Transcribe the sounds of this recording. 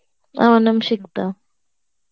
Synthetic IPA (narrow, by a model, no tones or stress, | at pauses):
a̰wanamʃɪkt̪a